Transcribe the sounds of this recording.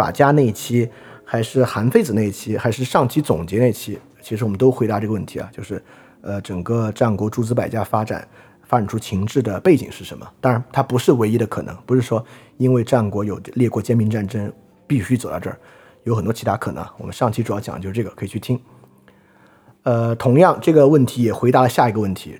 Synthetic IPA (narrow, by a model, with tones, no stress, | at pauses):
fa̰˨˩t͡ɕja˥ne˥˩i˥˩t͡ɕʰi˥xa˧˥ɪʂɻ̩˥˩xa˧˥nfe˥˩ɪd͡z̩˩ne˥˩ɪi˥˩t͡ɕʰi˥xa˧˥ɪʂɻ̩˥˧ʂɑ˥˩ŋt͡ɕʰi˥t͡sʊ˨˩ŋt͡ɕjɛ˧˥ne˥˩ɪi˧˥t͡ɕʰi˥ | t͡ɕʰi˧˥ʂɻ̩˧˥wɔ˨˩mə˦nt̪o˥ʊxe˧˥ɪt̪a˧˦ʈ͡ʂɤ˥˩ɡəwə˥˩nt̪ʰi˧˥a̰˦t͡ɕjo˥˧ʊʂɻ̩˥˩ | ə˧ʈ͡ʂə˨˩ŋkə˥˧ʈ͡ʂa˥˩nkwɔ˧˥ʈ͡ʂu˥˩t͡sɹ̩˥pa˨˩ɪt͡ɕja˥fa˥ʈ͡ʂa̰˨˦n | fa˥ʈ͡ʂa˨˩nʈ͡ʂʰu˥t͡ɕʰi˧˥ŋʈ͡ʂɻ̩˥˩d̪ə˩pe˥˩ɪt͡ɕḭ˨˩ŋʂɻ̩˥˩ʂə˧˥nmə̰˧t̪a˥ŋɻa˧˥nt̪ʰa˥pu˧˥ʂɻ̩˥˩we˧˥ɪi˧˥d̪ə˧kʰɤ˨˩nɤ̰˧˥ŋpu˧˥ʂɻ̩˥˩ʂwɔ˥ | i˥nwe˥˧ɪʈ͡ʂa˥˩nkwɔ˧˥jo˨˩ʊljɛ˥˧kwɔ˥˩t͡ɕjɛ˥nmi˧˥nʈ͡ʂa˥˩nʈ͡ʂə˥ŋ | pi˥˩ɕy˥t͡so˨˩ʊt̪ɑ̰˥˧ʈ͡ʂɤ̰˥˩ | jo˧˥ʊxə˨nt̪wɔ˥t͡ɕʰt̪ʰa˧˥kʰɤ˨˩nɤ̰˧˥ŋa˧wɔ˨˩mə˦nʂɑ˥˩ŋt͡ɕʰi˥ʈ͡ʂu˨˩jʊt͡ɕj̰ŋ˦jo˥˧˥ʈ͡ʂɤ˥˩ɡə˩kʰɤ˧˥i˨˩t͡ɕʰy˥˩t̪ʰi˥ŋ | ə˧t̪ʰʊ˧˥ŋjɑ˥˧ŋʈ͡ʂɤ˥˩ɡə˩wə˥˩nt̪ʰi˧˥jɛ˨˩xwe˧˥ɪt̪a˧˥lə˧ɕja˥˩i˧˥ɡə˧wə˥˩nt̪ʰḭ˧˥